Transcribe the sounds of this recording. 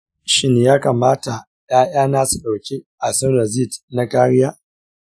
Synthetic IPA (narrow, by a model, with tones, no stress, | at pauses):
ʃɪ˦neː˨jaː˦kaː˨maː˦ta˨ | jaː˦jaː˦naː˦su˨ɗa˨wkʲi˦ʔa˨sɐ˦na˨ziː˦˨dna˦kaː˦ɽɪ˦jaː˦